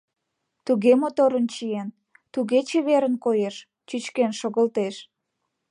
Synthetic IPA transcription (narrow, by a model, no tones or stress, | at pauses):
t̪uɣemot̪oɾənt͡ɕijen | t̪uɣet͡ɕeβeɾənkojeʃ | t͡ɕyt͡ɕkenʃoɣəlt̪eʃ